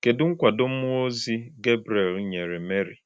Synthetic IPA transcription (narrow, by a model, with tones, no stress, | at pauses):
ke˨dʊ˦ŋ̩˦kʷa˨do˦m̩˦o˦zi˦ɡe˦bɾe˨lɲe˨ɾe˨me˦ɾi˨